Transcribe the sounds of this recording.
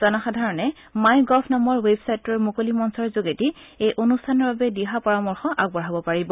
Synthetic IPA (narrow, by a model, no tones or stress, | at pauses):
z̥ɔnaxadʱaɹɔnɛ | majɡɔpʰnɔmɔɹwebsajtɔɹmokolimɔnsɔɹzoɡetiejʔonustʰanɔɹbabɛdiɦapɔɹamɔɹxɔʔaɡ̚bɔɹabɔpaɹibɔ